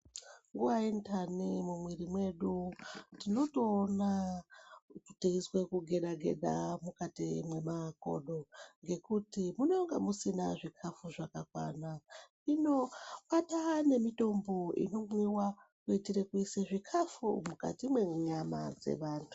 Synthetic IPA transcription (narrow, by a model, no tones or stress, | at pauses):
ŋɡuwaintʰanimumwirimwe̞ɗutino̞toːna | tu̥teiswe̞kuɡʱe̞ɗaɡʱe̞̰ɗa̰mukatimwe̞mako̞̰ɗo̞ŋɡe̞kutimunoŋɡamusina̰ʐikʰafuʐakakwa̰na | ino̞patane̞mito̞mbo̞ḭno̞mwiwakuitiɾekuiseʐikʰafṵmuka̰timweɲama̰d͡ze̞̰ʋaːntʰu̥